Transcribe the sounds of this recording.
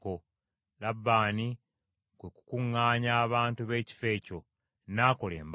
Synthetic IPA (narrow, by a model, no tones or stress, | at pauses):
ko | labːaːni | kweku̥kuŋːaːɲaːβaːntuβe̞ːci̥fe̞ːco̞ | naːko̞lḛːmb